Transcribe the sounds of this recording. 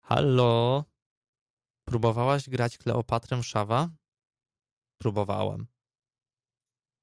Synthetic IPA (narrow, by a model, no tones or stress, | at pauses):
xa̰lɔ | pɾubɔvawaʑɡɾat͡ɕklɛ̰ʔɔpat̪ɾɛmʂava | pɾubɔva̰wɛ̰m